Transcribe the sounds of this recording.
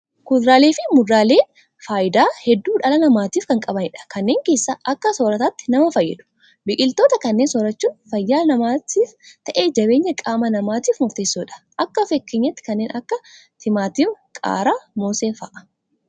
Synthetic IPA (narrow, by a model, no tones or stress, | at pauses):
kʊd̪ɾaːleːfɪmʊd̪ːaːle̞ː | faːjɪd̪aːhɛd̪ːuːᶑɐlɐnɐmaːt̪iːfkɐŋkʼɐbɐnɪᶑɐ̥kɐnːe̞ːŋke̞ːsːɐʔɐkːɐsoːɾɐt̪aːt̪ːɪ̥nɐmɐfɐjːɛ̰d̪ʊ̥ | bɪkʼɪlt̪o̞ːt̪ɐkɐnːeːnsɔɾɐt͡ʃːuːnfɐjːaːnɐmaːt̪ʰiːft̪ɐʔe̞ːd͡ʒɐβe̞ːɲːɐkʼaːmɐnɐmaːt̪iːfmɔɾt̪e̞ːsːoːᶑɐ̥ʔɐkːɐfɛkːeːɲːɐt̪ːɪ̥kɐnːeːnɐkːɐ | t̪ʰɪmaːt̪iːfkʼa̰ːɾaːmoːseːfɐ̰ːʔɐ̥